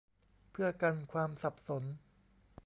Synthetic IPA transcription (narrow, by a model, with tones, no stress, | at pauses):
pʰɯ˥˩ɐka˧nkʰwaː˧msa˨˩p̚so˩˦n